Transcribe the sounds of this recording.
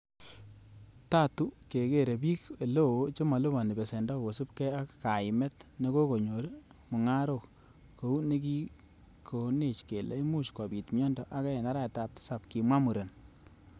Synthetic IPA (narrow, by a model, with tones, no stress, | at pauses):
ta˦tu˦ke˨ke˦ɾe˨bi˦ke˨lo˦o˦t͡ʃe˦ma˨lo˦ba˨ni˨bɛ˨se˨ndɔ˦˨wo˨su˦pkɛ˦a˦kka˨ɪ˨mɛ˦tne˦ko˦ko˨ɲo˨ɾ | mʊ˨ŋa˦ɾo˨k | ko˨u˦ne˦k̬i˦ | kʰo˨ne˦˨t͡ʃke˨lḛ˦i˦mu˦ʃka˨bi˨tmjɔ˦ndɔ˨ʔa˦ka˦ɛ˨na˦ɾa˦˨ta˨p̚tsa˨p̚ki˨mwa˦mu˨ɾe˨n